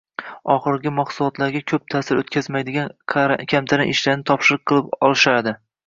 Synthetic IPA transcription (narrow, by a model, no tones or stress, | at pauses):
ɒχɨɾɡʲɪmaχsʊlˠɒt̪laɾɡʲakʲʰɵp̚t̪ʰaːsɪɾot̪̚kʲʰazmajd̪ɪɡʲanʰkʲʰamt̪ʰaɾɪʔɪʃlaɾnɪt̪ʰɒpʃɪɾɨq̚qʰːɨlˠɪpɒlˠɪʃaɾd̪ɪ